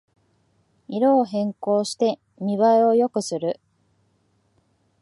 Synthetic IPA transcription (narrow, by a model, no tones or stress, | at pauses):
iɾoːɦẽ̞ŋko̞ːɕi̥t̪e̞ | mʲiβaeo̞jo̞kɯ̟sɨɾɯ̟